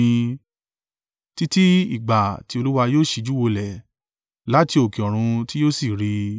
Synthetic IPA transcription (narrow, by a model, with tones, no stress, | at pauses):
ĩ˧ | ti˦ti˦ḭ˦˨ɡ͡ba˨ti˧˦o˧lu˦wa˧joː˦˨ʃi˧d͡ʒu˦wo˧lɛ˨ | la˨˦ti˧o˨ki˨ɔ˨ɾ̃ũ˧ti˦joː˦si˦˨ɾi˧